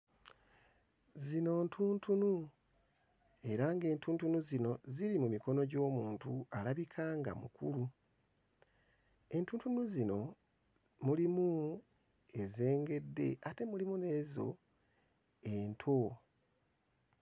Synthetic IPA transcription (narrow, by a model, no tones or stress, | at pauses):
zino̞ːntʰuːntʰunu | e̞ɾaŋɡe̞ːntuːntunuzino̞ziɾimumiko̞no̞ɟo̞ːmuːntualaβikʰaːŋɡa̰mṵkṵlu | e̞ntuːntunuzino̞ | mulimu | e̞ze̞ːŋɡe̞dːe̞̰ate̞mulimune̞ːzo̞̰ | e̞ntʰo̞